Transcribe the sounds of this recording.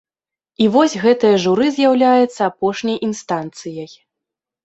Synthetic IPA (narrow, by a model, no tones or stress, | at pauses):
ivɔsʲɣɛt̪ɨjɐʐuɾɨzʲjawlʲajɛt̪sːɐːpɔʂnʲɐjʔinst̪ant̪sɨjɐj